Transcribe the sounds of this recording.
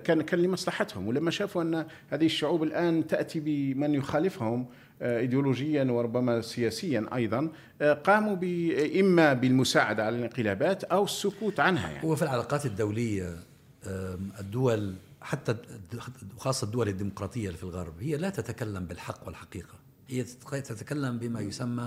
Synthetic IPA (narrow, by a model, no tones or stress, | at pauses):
kænkænləmɑsˤlɑħɑt̪hʊ̰mwlæmːæʃæːfuʔænːhæːd̪ihəʃːʊʕuːbəlʔæːnt̪aʔt̪ibəmənjʊxælɪfhʊm | ʔid̪juluʒəjːanwəɾˤʊbːæmæsəjæsəjːanʔɑ̰jd̪ˤɑn | qɑːmubəʔəmːæbəlmʊsaʕad̪aʕalælənqəlæbæːt̪ʔæwəsːʊkuːt̪ʕanhæ̰jaʕ̰wæfilʕalɑqɑːt̪əd̪ːawləjːa | d̪ːʊwælħat̪ːa | xɑːsˤːɑd̪ːʊwæləd̪ːimʊqɾˤɑt̪ˤəjːafilɣɑ̰ɾˤbhəjːalæt̪æt̪akælːambəlħɑqːwəlħaqiːqɑ | həjːæt̪æt̪akælːæmbəmæjʊsamːa